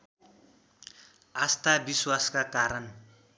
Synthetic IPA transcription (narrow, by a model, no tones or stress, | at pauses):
ast̪abiswaskakaɾʌn